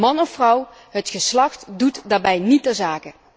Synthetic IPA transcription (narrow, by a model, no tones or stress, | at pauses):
mɑnɔfrʌw | ɦətχəslɑχtdutdaːɹbɛjnitɛɹzaːkə